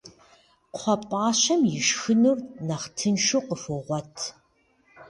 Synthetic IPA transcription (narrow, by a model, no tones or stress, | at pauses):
qʰʷɔpʼaːɕɐmjɪʃxɨnuːrnɐχtʰɨnʃuqʼəfoʁʷɔtʰ